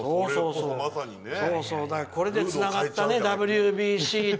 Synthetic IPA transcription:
oːso̞ːssoː | so̞ːso̞ːd̪akko̞ɾe̞d̪e̞t͡st͡sɨnaɡat̪ːane̞d̪abɯ̟ɾɯbʲiɕiː

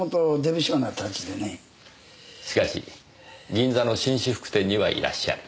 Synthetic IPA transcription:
ot̪ːod̪ebiɕonat̪ʰat͡ɕi̥d̪ene | ɕi̥kaɕḭ | ɡʲĩnd͡zano̞ɕĩɰ̃ɕiɸɯ̟̥kɯ̟̥t̪ẽ̞ɲ̟ːiβa̰ʔḭɾa̰ɕːa̰ɾɯ̟

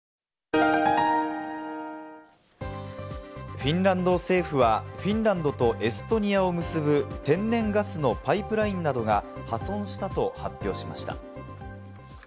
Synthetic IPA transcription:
ɸĩnɾãnd̪o̞se̞ːɸɯ̟βaɸʲĩnɾãnd̪o̞t̪o̞ʔe̞sɨ̥t̪o̞ɲ̟iao̞mɯ̟sɨbɯ̟t̪ẽ̞nːẽ̞ŋɡasɨno̞paipɯ̟ɾaĩnːad̪o̞ɡahasõ̞ɰ̃ɕi̥t̪at̪o̞hapʲːo̞ːɕima̰ɕi̥t̪a̰

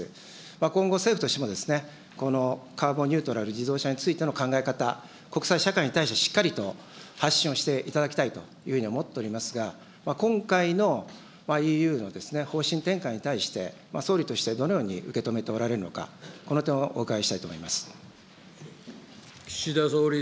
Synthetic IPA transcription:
makõ̞ŋɡo̞se̞ːɸɯ̟t̪oɕemo̞d̪e̞sɨ̥ne̞ | ko̞no̞kaːbo̞ɲ̟ʲɨ̟ːt̪o̞ɾaɾɯ̟d͡ʑid̪o̞ːɕaɲ̟it͡sɨit̪e̞no̞kãŋɡaekat̪a | ko̞kɯ̥saiɕakaiɲ̟it̪aiɕt̪e̞ɕi̥kːaɾʲit̪o̞ | haɕːĩɰ̃o̞ɕi̥t̪e̞ʔit̪ad̪akʲi̥t̪ait̪o̞̰ | jɯ̟ːhɯ̟ɲiomo̞t̪ːe̞oɾʲimasɨɡa | makõ̞ŋkaino̞ | maiːjɯ̟ːno̞d̪e̞sɨne̞ho̞ːɕĩnt̪ẽ̞ŋkaiɲ̟it̪aiɕi̥t̪e̞̰ | maso̞ːɾʲit̪o̞ɕi̥t̪e̞d̪ono̞jo̞ːɲ̟ḭɯ̟ke̞t̪o̞me̞t̪e̞o̞ɾaɾe̞ɾɯ̟no̞̰ka̰ko̞no̞t̪ẽ̞oʔoːkaɡaiɕi̥t̪ait̪o̰mo̞imasɨ̥ | kʲi̥ɕid̪asoːɾʲi

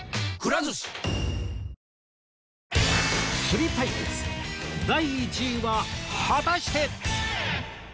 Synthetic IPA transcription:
kɯɾazɨsɨ̥ | ɕɨɾʲit̪aid̪ḛsɨ̥d̪aiːt͡ɕiβahat̪aɕi̥t̪e

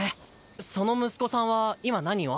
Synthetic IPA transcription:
e | so̞no̞mɯ̟sɨ̥ko̞sãɰ̃βaimanaɲ̟io

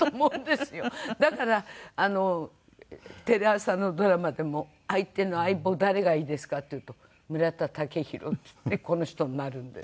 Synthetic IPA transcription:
t̪omõ̞nd̪e̞sɨjo̞d̪akaɾaːno̞ | t̪e̞ɾeasãnːo̞d̪o̞ɾamad̪e̞mo̞ | ait̪e̞no̞aibo̞d̪aɾe̞ɡaiːd̪e̞sɨ̥kat̪ːeiɯ̟ːt̪o̞ | mɯ̟ɾat̪at̪ake̞çiɾo̞̰t͡sɨ̥t̪ːe̞ko̞no̞çi̥t̪o̞ɲinːaɾɯ̟̃nd̪e̞s

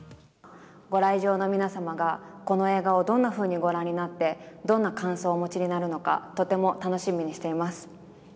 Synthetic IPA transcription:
ɡo̞ɾaiʑo̞ːno̞mʲinasamaɡako̞no̞e̞ːɡaod̪õ̞nːaɸɯ̟ːɲ̟iɡo̞ɾãɲ̟ʲːinat̪ːe̞d̪õ̞nːakãɰ̃so̞ːmo̞t͡ɕiɲ̟inaɾɯ̟no̞ka̰t̪o̞t̪e̞mo̞t̪ano̞ɕimʲiɲ̟iɕi̥t̪e̞imasɨ̥

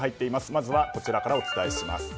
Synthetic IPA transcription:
ɦait̪ːe̞imasɨ̥mazɨβako̞t͡ɕiɾakaɾao̞t͡sɨ̥t̪aeɕima̰sɨ̥

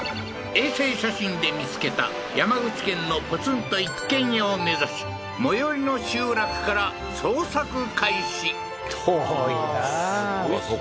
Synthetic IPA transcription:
e̞ːse̞ːɕaɕĩnd̪e̞mʲit͡sɨ̥ke̞t̪a̰ | jamaɡɯ̟t͡ɕi̥kẽ̞nːo̞pɯt͡sɨ̃nt̪o̞ikːẽ̞ɲ̃ome̞zaɕi̥ | mo̞joɾʲino̞ɕɨːɾakɯ̟̥kaɾa | soːsakɯ̟kʰaiɕi

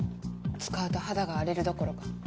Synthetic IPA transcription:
t͡sɨ̥kaɯ̟t̪o̞had̪aɡaːɾe̞ɾɯ̟d̪o̞ko̞ɾo̞kḁ

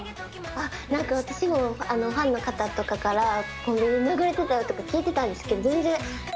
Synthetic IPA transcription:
anãŋkaβat̪aɕimo̞ano̞ɸãnːo̞kat̪at̪o̞kakaɾakõmɡĩɲːinaɡɯ̟ɾe̞t̪e̞t̪ajo̞t̪ːo̞kakʲiːt̪e̞t̪ãnd̪e̞sɨ̥ke̞d̪ozẽnd͡zẽ

